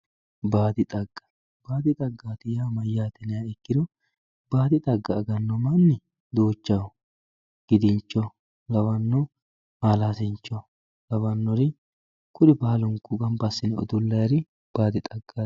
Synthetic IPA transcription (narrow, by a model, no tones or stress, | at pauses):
baːd̪ɪt̪ʼɐɡ̥ːɐ̥ | baːd̪ɪt̪ʼɐɡːaːt̪ɪjaːmɐjːaːt̪ɛnɛjaɛkːɪd̪ɔ | b̥aːd̪ɪt̪ʼɐɡːɐːɡɐnːɔmɐnːɪ | d̪oːt͡ʃːɐw | ɡ̥ɪd̪ɪnt͡ʃːɔ | lɐwɐnːɔ | haːlaːsɪnt͡ʃːɔ | lɐwɐnːɔɾɪ | kʰʊd̪ɪbaːlʊŋkːʊɡɐmbɐsːɪnɛɔ̰d̪ʊlːɐjɾɪ | b̥aːd̪ɪt̪ʼɐɡːa